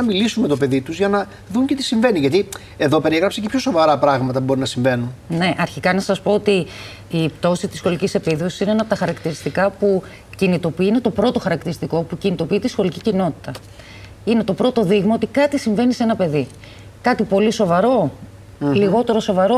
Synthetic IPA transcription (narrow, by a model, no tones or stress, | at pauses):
nɐmilisunme̞t̪ope̞ðit̪uzʝɐnɐ | ðuɲce̞t̪i̥siɱve̞niʝɐt̪i | e̞ðo̞pe̞ɾieɣɾɐpsecepço̞so̞vɐɾɐpɾɐɣmɐt̪ɐbo̞ɾinɐsiɱve̞nunne̞ʔɐɾçikɐnɐsɐspo̞ot̪iː | pt̪o̞sit̪isxo̞licise̞piðo̞si̥sineenɐpot̪ɐxɐɾɐkt̪iɾist̪ikɐpu | cinit̪o̞piine̞t̪o̞pɾo̞t̪o̞xɐɾɐkt̪iɾist̪iko̞pucinit̪o̞pit̪isxo̞licicino̞t̪i̥t̪ɐ | ine̞t̪o̞pɾo̞t̪o̞ðiɣmɐo̞t̪ikɐt̪isiɱve̞niseenɐpe̞ði | kɐt̪ipo̞liso̞vɐɾo̞ | liɣo̞t̪e̞ɾo̞so̞vɐɾo̞